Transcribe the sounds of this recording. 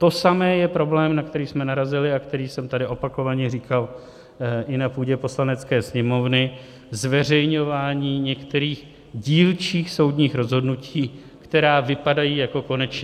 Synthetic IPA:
t̪o̞samɛːjɛpɾo̞blɛːmnakt̪ɛɾiːsmɛnaɾazɪlɪakt̪ɛɾiːsɛmt̪adɪʔo̞pako̞vaɲɛriːkal | ʔɪnapuːɟɛpo̞slanɛt͡skɛːsɲɛmo̞vnɪ | zvɛr̝ɛjɲo̞vaːɲiːɲɛkt̪ɛɾiːx | ɟiːlt͡ʃiːxso̞wdɲiːxɾo̞zɦo̞dnuciː | kt̪ɛɾaːvɪpadajiːjako̞ko̞nɛt͡ʃɲɛ

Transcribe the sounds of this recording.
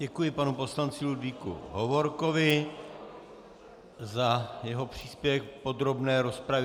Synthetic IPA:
ɟɛkujɪpanupo̞slant͡sɪludvikṵɦovo̞ɾko̞vɪ | zajɛɦo̞pr̝̥iːspjɛvɛkpo̞d̪ɾo̞bnɛːɾo̞spɾav

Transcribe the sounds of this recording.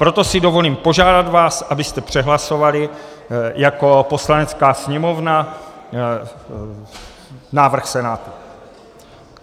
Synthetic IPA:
pɾo̞t̪o̞sɪdo̞vo̞liːmpo̞ʒaːdad̪vaːsʔabɪst̪ɛpr̝̥ɛɦlaso̞valɪ | jako̞po̞slanɛt͡skaːsɲɛmo̞vna | naːvr̩xsɛnaːt̪u

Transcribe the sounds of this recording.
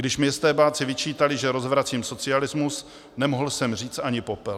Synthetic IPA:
ɡdɪʃmɲɛst̪ɛːbaːt͡sɪvɪt͡ʃiːt̪alɪʒɛɾo̞zvɾat͡siːmso̞t͡sɪalɪzmus | nɛmoɦl̩sɛmr̝iːt͡st̪aɲɪpopɛl

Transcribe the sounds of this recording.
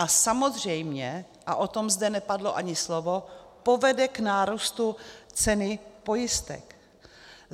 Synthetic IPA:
asamo̞zr̝ɛjmɲɛ | ʔaʔo̞t̪o̞mzdɛnɛpadloʔaɲɪslovopo̞vɛdɛknaːɾust̪ut͡sɛnɪpo̞jɪst̪ɛ̰k

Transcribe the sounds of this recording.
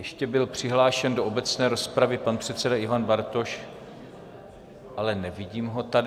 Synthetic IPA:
jɛʃcɛbɪlpr̝̥ɪɦlaːʃɛndoʔobɛt͡snɛːɾo̞spɾavɪpanpr̝̥ɛt̪t͡sɛdaɪvanbaɾt̪o̞ʃ | ʔalɛnɛvɪɟiːmɦo̞t̪ad

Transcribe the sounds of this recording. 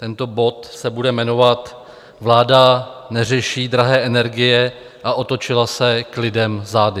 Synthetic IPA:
t̪ɛnt̪o̞bo̞t̪sɛbudɛmɛno̞vat̪ | vlaːdanɛrɛʃiːd̪ɾaɦɛːʔɛnɛɾɡɪjɛ | ʔaʔot̪o̞t͡ʃɪlasɛklɪdɛmzaːdɪ

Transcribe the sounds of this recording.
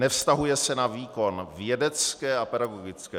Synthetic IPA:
nɛfst̪aɦujɛsɛnaviːko̞nvjɛdɛt͡skɛːʔapɛdaɡoɡɪt͡skɛː

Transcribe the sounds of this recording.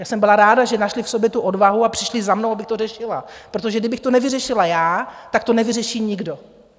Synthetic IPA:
jaːsɛmbɪlaɾaːdaʒɛnaʃlɪfso̞bjɛt̪uʔo̞dvaɦuapr̥ɪʃlɪzamnowabɪxt̪o̞rɛʃɪlapɾot̪̬oʒɛɡdɪbɪxt̪o̞nɛvɪrɛʃɪlajaːt̪ak̚t̪o̞nɛvɪrɛʃiːɲɪɡdo̞

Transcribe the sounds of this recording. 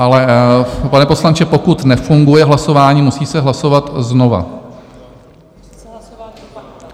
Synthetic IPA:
ʔalɛpanɛpo̞slant͡ʃɛpo̞kut̪nɛfuŋɡujɛɦlaso̞vaːɲiːmusiːsɛɦlaso̞vat̪zno̞va̰

